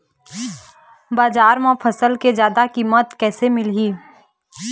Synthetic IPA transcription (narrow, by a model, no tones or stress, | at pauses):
baːzaːɾmãfʰɐsəlkezjaːd̪akimət̪kɛːsemɪlɦiː